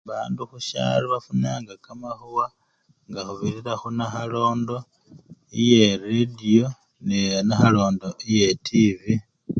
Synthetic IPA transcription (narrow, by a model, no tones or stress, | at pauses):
βaːnduxuʃa̰ɾiβafunaːŋɡakamaxuwa | ŋɡaxuβiɾiɾaxunaxalo̞ːndo̞ | ijeɾedio̞ | nenaxalo̞ːndo̞ijetʰivi